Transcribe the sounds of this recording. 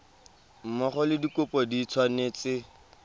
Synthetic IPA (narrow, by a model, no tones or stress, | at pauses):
m̩mɔχɔlɪdikʊpʼɔdit͡sʰwaneːt͡sɪ